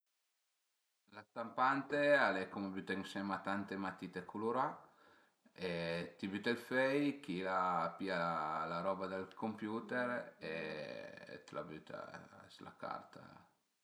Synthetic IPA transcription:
last̪ampant̪ealekomebyt̪eŋsɛmat̪ant̪emat̪it̪ekʰuluɾa | et̪ibyt̪elfɛjkilapialaɾɔbad̪elkompjuːt̪eɾḛ | t̪la̰byt̪a̰sla̰ka̰rt̪ʰa̰

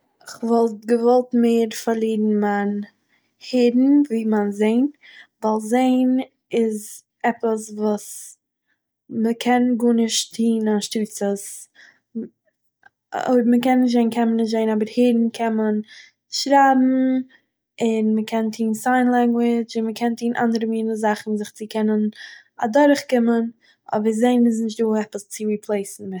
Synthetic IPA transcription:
ɪχvɔlˠt̚ɡəvɔlˠtmeːɾfaɾlˠiːdn̩man | hɪdn̩viːmanzeɪnvalˠzeɪn | ɪz | ɛpəsvuːs | məkʰɛnɡunɪʃtʰiːnanʃtyːt͡səs | o̰ːbəməkɛnːɪʃ̬t̬zeɪnkʰɛnmənːɪʃtzeɪnɔbəɾheːɾn̩kʰɛnmən | ʃɾaːbm̩ | ɪnməkʰɛntʰiːnsaɪnlˠɛŋɡwɪt͡ʃɪnməkʰɛntʰiːnʔa̰ndəɾəmiːnəzaχn̩zɪχt͡sɪkʰɛnən | adɔɾəχkɪmən | ʔɔ̰bəɾzeɪnɪs̬nɪʃ̬tduːɛpəst͡sɪɾiːpʰlˠeɪsn̩ɪ

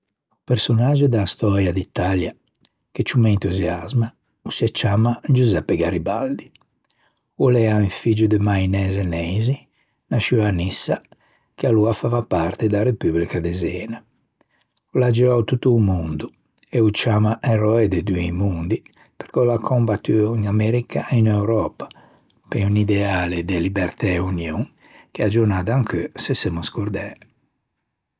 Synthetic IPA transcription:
upɛɾsɔnad͡ʒud̪ast̪ɔɾjad̪it̪ːalja | ket͡ʃːumɛint̪uzjazma | usɛt͡ʃːaːmad͡ʒuzɛpːɛɡaɾibald̪i | ulɛaiɱfid͡ʒud̪ɛmainɛːzɛnɛjzi | naʃianisːa | kealuafavapaɾt̪ɛd̪aɾepyblikad̪ɛzɛːna | ɔlad͡ʒɛɔwt̪ut̪ːuːmund̪u | ɛut͡ʃamaʔɛɾɔɛd̪ed̪uejmund̪i | pɛɾkɔlakʰɔmbat̪ːyinamɛɾikaʔɛinɛwɾɔːpḁ | pɛunid̪ɛaːled̪elibɛɾt̪ɛunjoŋ | k̟ead͡ʒuɾnad̪aaŋkøsɛsemuskoɾd̪ɛː

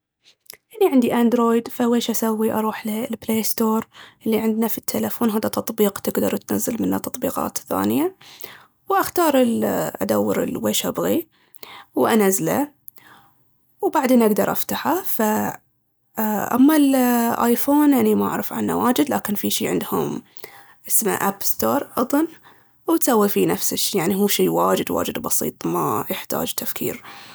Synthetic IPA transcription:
ʔaniʕɪnd̪iʔaːnd̪ɾoːjd̪faweːʃʔasawːiʔɑ̰ɾˤuːħlɪlbleːst̪oːɾˤʔɪlːiʕɪnd̪nafit̪ʰːelafoːnɦaːðat̪ɑt̪ˤbiːqt̪ɪɡd̪ɑɾˤt̪nazːalmɪnːat̪ɑt̪ˤbḭːqɑ̰ːt̪θa̰ːnɪja | wʔaxt̪ɑːɾˤɪlʔa̰d̪awːɪ̰ɾɪ̰lweːʃʔabɣi | wʔanazla̰ | wbaʕd̪eːnʔaɡd̪ɑɾˤʔaft̪aħafa | ʔa̰mːalʔajfoːnʔanimaʔa̰ʕɾɪfʕa̰nːa̰waːd͡ʒɪd̪laːkɪnfiʃiːʕɪ̰nd̪hʊ̰m | ʔɪsma̰ʔaːpst̪oːɾˤʔɑd̪ˤɑn | wt̪sawːifinafsɪʃjaʕniɦuːʃiːwaːd͡ʒɪd̪wa̰ːd͡ʒɪd̪bɑsḭːt̪ˤma̰jɪħt̪a̰ːd͡ʒt̪ʰafkʰḭːɾ

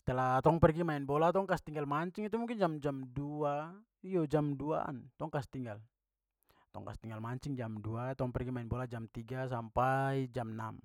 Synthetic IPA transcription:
sɛ̥t̪əlat̪ɔŋpɛrɡimaɛnbɔlat̪ɔŋkast̪iŋɡalmaɲt͡ʃɪŋit̪umuŋkɪnd͡ʒamd͡ʒamdua | ijɔd͡ʒamdua̰nt̪ɔŋkast̪iŋɡal | t̪ɔ̰ŋka̰st̪iŋɡalmaɲt͡ʃɪŋd͡ʒamduat̪ɔŋpɛrɡimaɛnbɔlad͡ʒamt̪iɡas̬ampaid͡ʒamna̰m

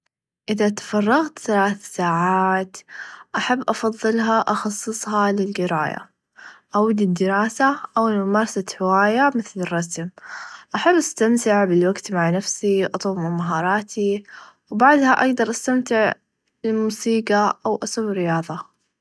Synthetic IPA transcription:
ʔɪðat̪ḁfɑrˤːɑɣt̪θalaːθsaːʕaːt̪ʔaħabːʔɑfɑðˤːɨlɦaʔɑxɑsˤːɨsˤhɑlɪld͡ʒɪɾɑ̰ːja̰ | ʔawlɪd̪ːɪɾɑːsaʔawɪlmʊmɑːɾˤɑsat̪ħɪwaːjamɪθlɪrˤːɑsmʔaħabːʔast̪amt̪ɪʕbɪlwaɡt̪maʕnafsiwʔɑt̪ˤːmɪmaɦɑːɾˤɑːt̪ʰiwbaʕd̪haʔaɡd̪ɑɾˤʔast̪amt̪ɪʕ | ɪlmuːsiːɡaʔawʔasʊbːɾːɪjɑːðˤɑ

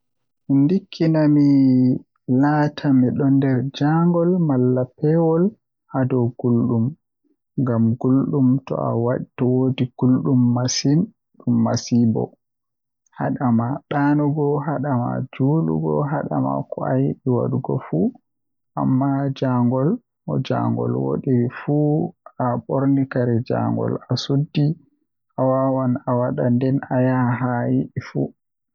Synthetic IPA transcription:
mindikʰːinami | latʰamiɗɔndɛɾd͡ʒaŋɡɔlmalːapɛwɔl | ʔadɔɡ̥ulɗum | ŋɡamɡulɗumtɔ̰a̰waɗtɔwodiɡ̥ulɗumːasin | ɗumːasibɔ̰ | haɗamaɗanuɡɔɦaɗama̰d͡ʒuːlṵɡɔ̰ɦaɗama̰kɔa̰jiɗiwa̰ɗuɡɔ̰fu | ʔamːad͡ʒaŋɡɔl | ɔd͡ʒa̰ŋɡɔ̰lwo̰ɗifuaɓoɾnikaɾɛd͡ʒa̰ŋɡɔ̰lasudːi | ʔawawanawaɗandɛnajaɦajiɗifu

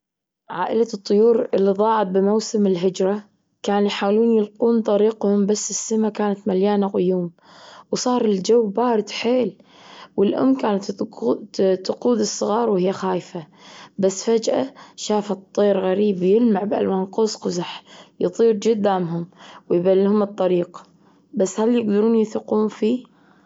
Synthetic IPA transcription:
ʕaːʔɪlat̪ˤːʊjuːɾɪlːiðˤɑːʕɑt̪̚ˤbɪmawsɪmɪlɦɪd͡ʒɾˤɑ | kaːnjħaːwluːnjɪlquːnt̪ˤɑɾiːqhʊmbasːɪsːamakaːnat̪maljaːnaqʊjuːm | wsˤɑːɾˤɪld͡ʒawːbaːɾɪd̪ħeːl | wɪlʔʊ̰mːkaːna | t̪ːʊquːd̪ɨsˤːɨɣɑːɾˤwhɪjːaxaːjfa | basːfad͡ʒʔaʃaːfat̪ˤːeːɾɣaɾiːbwjɪlmaʕbʔa̰lwaːnqʊsqʊzaħjɨt̪ˤiːɾd͡ʒʊd̪ːaːmɦʊmwɪjbalːhʊmɨt̪ˤːɑɾiːq | basːhaljɪɡd̪ɑɾuːnjɪθɪquːnfiː

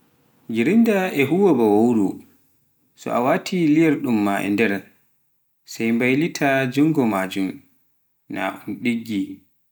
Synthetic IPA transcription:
ɡiɾindaʔɛɦuwɔbawowɾu | sɔ̰ʔawatʰilijaɾɗumːaʔɛ̰ndɛɾ | sajmbajlitʰad͡ʒuŋɡɔmaːd͡ʒum | na̰ʔunɗiɡːi

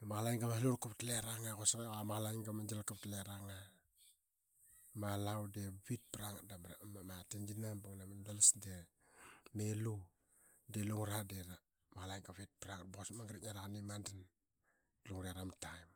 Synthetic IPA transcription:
maɣlajŋɡamahluɾkaptleɾaŋakosakeɣamaɣlajŋɡamad͡ʒalkaptleɾaŋa | malawdeβit̚pɾaŋdabmamatind͡ʒinabuŋnamandalasde | melu | deluŋɾadeɾa | maɣlajŋɡaβit̚pɾaŋat̚boɣosmaŋɡɾiɲaɾakanimandan | luŋɾeaɾamtajm

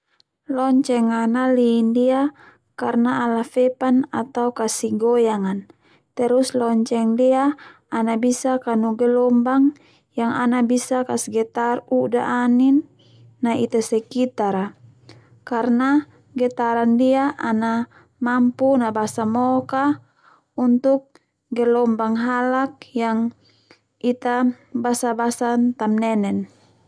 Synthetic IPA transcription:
lɔɲt͡ʃɛŋanaliːndia | karnaːlafɛpanat̪aukasiɡɔjaŋan | t̪ɛɾuslɔɲt͡ʃɛŋdiaː | nabisakanuɡɛlɔmbaŋ | jaŋanabisakasiɡɛt̪aruda̰ʔaninː | ait̪asɛkit̪aɾa | karna | ɡɛt̪aɾandiaʔana | mampunabasamɔka | unt̪uk̚ | ɡɛlɔmbaŋɦalak̚jaŋ | ʔit̪a | basabasant̪amnɛnɛn

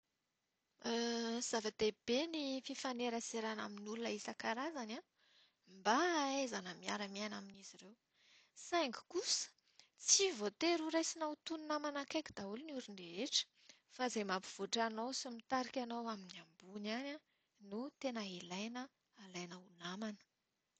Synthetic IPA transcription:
əz̥avad̪̥eb̥enififaneɾəseɾana̰minulunəisakaɾazana | mbaezanəmiaɾəmiajnaminiziɾew | saŋɡu̥kusə̥ | t͡sivot̪eɾuɾajsinawt̪ununamanakajkʲi̥d̪aulinuɾiɳɖ͡ʐeeʈ͡ʂə̥ | fazejmapiv̥oʈ͡ʂanowsimit̪aɾikʲanowaminiambunana | nut̪enəilajnəː | lajnəunamanə̥

